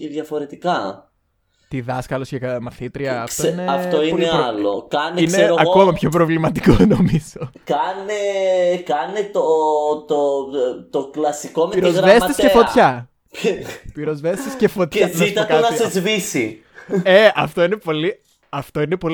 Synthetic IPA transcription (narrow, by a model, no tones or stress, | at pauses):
ceðʝɐfo̞ɾe̞t̪ikɐ | t̪iðɐskɐloscekɐmɐθit̪ɾiɐːftsoineɐoioieɐlo̰kɐneisneeoɐkomɐpço̞pɾovlimɐt̪i̥konomizokɐnekɐnet̪ot̪ot̪oklɐsiko̞meɾozɣɾɐesescefot̪çɐ | piɾozvest̪escefot̪çɐzit̪tk̪eɐnɐezvisi | eɐft̪o̞ine̞po̞li | ɐft̪o̞ine̞po̞